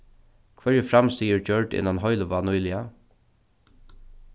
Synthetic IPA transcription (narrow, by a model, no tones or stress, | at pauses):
kʰvɛɹəfɾamst̪iːəɹd͡ʒœɹɖɪ̰nːanɦɔjləʋanujlɪa